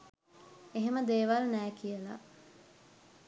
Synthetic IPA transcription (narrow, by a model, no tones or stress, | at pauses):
eɦeməd̪eːʋalnæːkijəla̰